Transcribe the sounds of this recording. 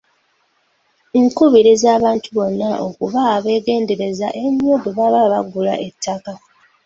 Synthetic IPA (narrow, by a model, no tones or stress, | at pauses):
ŋkuβiɾizaːβaːntuβo̞nːaʔo̞̰kuβaːβe̞ːɡe̞ːnde̞ɾe̞za̰ʔe̞ɲobeβaβaβaɡula̰ʔe̞tʰːaka